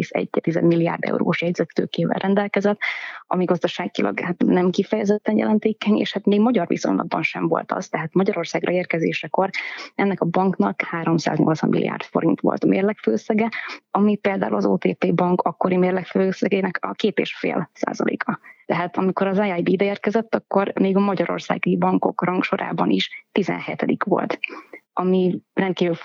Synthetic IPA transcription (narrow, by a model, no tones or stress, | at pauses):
isɛ̰ɟt̪ːizɛ̰d̪milːija̰ːrd̪ɛ̰uɾo̰ːʃjɛɟzɛt̪ːøːkeːvɛ̰lrʔɛnd̪ɛlkɛzɛt̪ːɒmiɡɒzd̪ɒʃaːɡilʔɒ̰ɡhat̪nɛmkifɛjɛzɛt̪ːɛnjɛ̰lɛnt̪eːkɛɲḛːʃhat̪meːɡmɒɟɒrvḭso̰ɲlʔɒ̰b̚ːɒnʃɛ̰ɱvo̞̰lt̪ʰɒ̰z̥t̪ɛɦaːt̪mɒɟɒɾo̞rsaːɡrɒeːrkɛzeːʃɛko̞rɛnːɛkɒbɒŋknɒkhaːɾo̞msa̰ːzɲo̞lt̪sɒ̰mːḭlḭjʔa̰ːrt̪fo̞ɾint̪ʋo̰lt̪mḛːrlɛkføːsɛɡɛɒmipeːld̪aːulɒzoːt̪eːt̪eːbɒŋkɒkːo̞ɾimeːrlɛkføsɛɡeːnɛkɒkeːt̪eːʃfḛːlsa̰ːzɒ̰lʔḛːkʰɒt̪ɛɦaːt̪ɒmiko̞ɾɒzaajb̪id̪ɛeːrkɛzɛt̪ːɒkːo̞rmeːɡɒmɒɟɒɾo̞̰rsa̰ːɡibɒŋko̞̰krɒŋkʃo̞ɾʔa̰ːbɒniʃt̪izɛ̰nhɛt̪ɛd̪ikʋo̞̰lt̪ɒmirɛnt̪kiːvy